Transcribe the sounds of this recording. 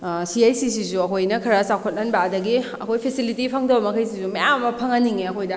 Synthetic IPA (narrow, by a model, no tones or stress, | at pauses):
siajsis̬isuɐkʰojnɐkʰɐɾasawkʰot̚nɐnbɐːdɐɡiɐkʰojpʰesilitipʰɐŋdɐbɐmɐkʰɐjs̬isumɐjamɐmɐpʰɐŋɐnːiŋeɐkʰojdɐ